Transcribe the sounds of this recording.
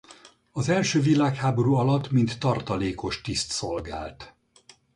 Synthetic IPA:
ɒzɛlʃøːvilaːkhaːbo̞ɾuːɒlɒt̪ːmint̪ːɒrt̪ɒleːko̞ʃt̪ist̪so̞lɡa̰ːlt̪

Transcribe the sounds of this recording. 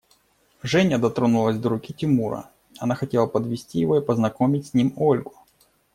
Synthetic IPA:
ʐɛnʲəd̪ɐt̪ɾonulˠəzʲd̪əɾʊkʲitʲɪmuɾə̰ | ɐnaxɐtʲe̞lˠəpəd̪vʲɪsʲtʲijɪvo̞ipəznɐko̞mʲɪtʲsʲnʲimolʲɡʊ̥

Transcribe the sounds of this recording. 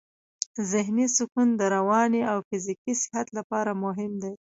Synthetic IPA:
zɪɦnisʊkund̪əɾawɑniawfɪzikisɪ̥hat̪lapɑɾamʊɦɪmd̪aj

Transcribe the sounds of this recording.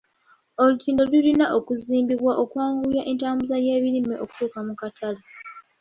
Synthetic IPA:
o̞lutʰiːndolilinaʔo̞kuziːmbiβwaʔo̞kwaːŋɡujaʔe̞ntaːmbuzaje̞ːβiɾimeʔo̞ku̥tuːkamukatʰale

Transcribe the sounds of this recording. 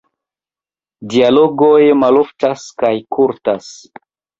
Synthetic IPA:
dialo̞ɡojmalo̞ftaskajkʰuɾtas

